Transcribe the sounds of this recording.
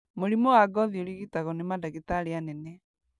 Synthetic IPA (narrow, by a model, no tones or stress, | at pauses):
moɾimɔwaɡɔðioɾiɣitaɣɔnemadaɣitaɾeanɛnɛ